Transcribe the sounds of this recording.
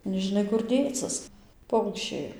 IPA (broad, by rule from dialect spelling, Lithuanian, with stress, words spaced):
nʲɛʒʲɪˈnɐɪ kʊr ˈdʲeːt͡sɨs ˈpɐʊkʃʲt͡ʃʲɛɪ